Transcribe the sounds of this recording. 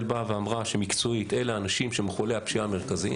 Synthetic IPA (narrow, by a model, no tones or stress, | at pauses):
lbaveamʁaʃemikt͡soit̪e̞leanaʃimʃemeχolehapʃiame̞ʁ̞kazi